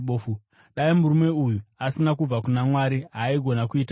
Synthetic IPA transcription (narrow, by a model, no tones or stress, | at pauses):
ɓoːfu | ɗaimuɾume̞ujuasinakub͡vakunamwaːɾiɦaiɡʱo̞nakuiːta